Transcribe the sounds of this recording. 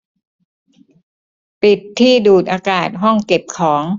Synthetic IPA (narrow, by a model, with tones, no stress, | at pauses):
pi˨˩t̪ʰːiː˥˩duː˨˩t̪̚ʔaː˧kaː˨˩t̪̚ɦɔ˥˩ŋke˨˩p̚kʰɔː˩˦ŋ